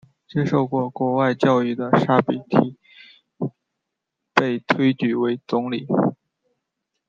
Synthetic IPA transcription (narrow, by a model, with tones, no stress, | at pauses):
t͡ɕjɛ˥ʂo˥˧ʊkwɔ˥˩kwɔ˧˥wa˥˧ɪt͡ɕjɑ˥˧ʊy˥˩d̪ə˩ʂa˥pi˨˩t̪ʰi˨˩˦ | pe˥˩ɪt̪ʰwe˥ɪt͡ɕy˨˩we˧˥ɪt͡sʊ˧˥ŋli˨˩˦